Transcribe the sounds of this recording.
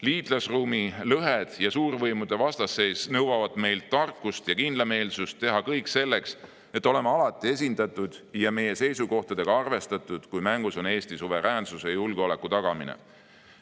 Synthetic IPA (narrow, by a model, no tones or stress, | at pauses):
liːt̪lɑsruːmilɤɦed̪̥jɑsuːrvɤjmud̪̥e̞vɑst̪ɑsːe̞ːsnɤwwɑvɑd̪me̞jlt̪ːɑrkːˑust̪jɑkind̪̥lɑme̞ːlsust̪ːe̞ɦɑkɤjkse̞lːe̞ks | e̞t̪ːˑo̞le̞meɑlɑt̪ːˑie̞s̬ʲind̪̥ɑt̪ːˑud̪̥jɑme̞je̞se̞jsuko̞ht̪ɑd̪̥e̞ɡ̥ɑɑrve̞st̪ɑt̪ːˑud̪̥kujmæŋɡuso̞ne̞ːst̪isuve̞ɾæːnsusejulɡ̥eole̞kːˑut̪ɑɡ̥ɑminḛ